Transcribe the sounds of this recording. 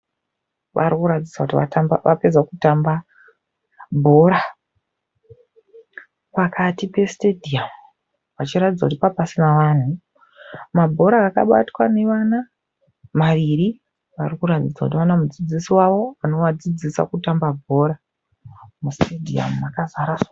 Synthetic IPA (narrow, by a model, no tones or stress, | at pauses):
ʋa̰rikuɾatid͡zakutia̰tambʋa̰pe̞d͡zakutamba | bʱo̞ɾa | pakʰatipe̞stedʱiam | ʋat͡ʃiratid͡zakutipapasinaʋaːn̤u | mabʱo̞ɾaːkaɓa̰twane̞ʋana | maʋiɾi | ʋarikuratid͡zakut̬iʋanamud͡zid͡zisiwaʋo̞ano̞wad͡zid͡zisa̰kutambabʱo̞ɾa | mustedʱia̰makazaɾa